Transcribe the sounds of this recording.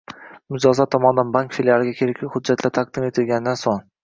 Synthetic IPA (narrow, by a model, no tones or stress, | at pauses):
mʊd͡ʒɒzat̪ʰɒmɒnd̪anbaŋkfiljalˠɪɡʲakʲʰeɾɪkʲlɪhʊd͡ʒːat̪ʰlat̪ʰaq̚d̪ɪme̞t̪ʰɪlɡʲanɪd̪ansoŋ